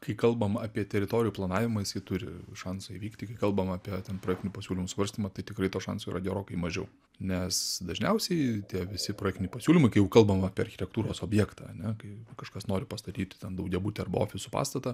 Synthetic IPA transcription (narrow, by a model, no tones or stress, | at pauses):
kɐɪkɐlˠbɐmɑːpʲiɛt̪ʲɛɾʲɪt̪oːɾʲɪjuːplˠɐnɑːʋʲɪmɐjɪsjɪt̪ʊɾʲɪ̰ʃɑnsɐiʋʲiːktʲɪkɐɪkɐlˠbɐmɑːpʲiɛt̪ʲɛnpɾroːɛkt̪ʲɪnʲuːpɐsʲuːlʲɪmʊsʋɐɾʲsʲt̪ʲimɐt̪ɐɪt̪ʲɪkɾɐɪt̪oːʃɑ̰nsoiɾɐ̰d̪ʲɛɾoːkɐɪmɐʒʲɛʊ | nʲɛsd̪ɐʒʲnʲɛʊsʲɛɪt̪ʲiɛʋʲɪsʲɪpɾoːjɛkt̪ʲɪnʲɛɪpɐsʲuːlʲɪmɐɪkɐɪjɛʊkɐlˠbɐmɐaːpʲiɛɐrʲxʲɪ̥t̪ʲɛkt̪uːɾoːsoːbʲjɛːkt̪ɐ̰ɐ̰nʲɛkɐɪkɐʃkɐsnoːɾʲɪpɐst̪ɐt̪ʲiːt̪ʲt̪ʲɛnd̪ɐʊɡɡʲɛbuːt̪ʲɛɐrbɐo̰ːfʲɪsʊpɑ̰ːst̪ɐt̪ɐ